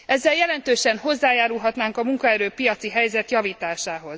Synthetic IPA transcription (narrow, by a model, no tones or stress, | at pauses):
ʔɛzːɛljɛlɛnt̪øːʃɛnɦo̞zːaːjaːɾulɦɒt̪naːŋkɒmuŋkɒɛɾøːpijɒt̪siɦɛjzɛt̪jɒviːt̪aːʃaːɦo̞z̥